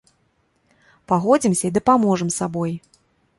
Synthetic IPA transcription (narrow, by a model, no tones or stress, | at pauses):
paɣɔd͡zʲimsʲɐid̪ɐpamɔʐɨmsabɔj